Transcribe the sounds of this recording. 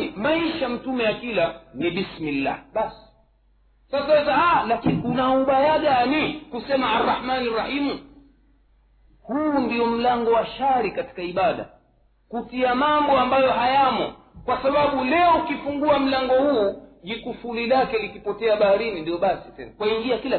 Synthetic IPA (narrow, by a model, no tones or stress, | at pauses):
maiʃam̩tumɛjakilaniɓismilːa̰hɓasi̥ | sasawɛzahalakiniunauɓajaɠanikusɛmaːrːɑħmanirahimu | huːndiɔm̩laŋɡɔwaʃaɾikati̥kaiɓaɗa̰ | kutiamambɔambajɔɦajamɔ̰ | kwasaɓaɓulɛɔukifuŋɡuam̩laŋɡɔhuːʄikufulilakɛlikipɔtɛaɓahaɾinindiɔɓasitɛ̰nakwaiŋɡiakila